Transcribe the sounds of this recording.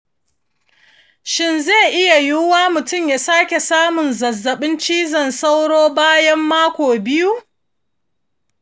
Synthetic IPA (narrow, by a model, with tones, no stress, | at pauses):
ʃɪ˦nza˦˨ʔɪ˦ja˨jʊ˦waː˦mʊ˨tʊ˦˨mjaː˨saː˦kʲe˨saː˦mʊ˨nzɐ˨zːɐ˨ɓɪ˦nt͡ʃiː˦zɐ˨nsa˦wɽoː˦baː˦jɐ˦mːaː˦kʷoː˨bɪ˦ju˦